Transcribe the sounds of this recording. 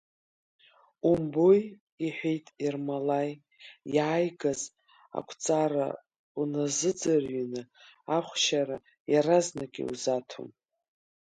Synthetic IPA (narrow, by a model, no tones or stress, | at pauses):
umboj | iħʷᶣejtʼirmalaj | jaːjɡaz | a̰kʷʰt͡sʼaɾa̰ | unazɨd͡zarɥinɨaχʷʃaɾa | jaɾaznakʲʼḭṵzatʰoṵm